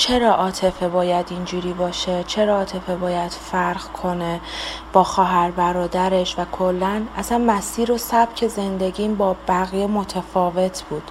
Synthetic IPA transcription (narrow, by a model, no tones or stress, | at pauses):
t͡ʃʰe̞ɾɒːʔɒːt̪ʰe̞febɒːjæd̪ind͡ʒuːɾiːbɒːʃet͡ʃʰe̞ɾɒːt̪ʰe̞febɒːjæd̪̥fæɾɣkʰo̞neb̥ɒːxɒːɦæɾbæɾɒːd̪æɾe̞ʃvækʰo̞lːænʔæ̰sænmæsiːɾo̞sæb̥cʰe̞ze̞nd̪e̞ɟiːmbɒːbæɣijemot̪ʰæfɒːve̞t̪ʰb̥uːd̪̥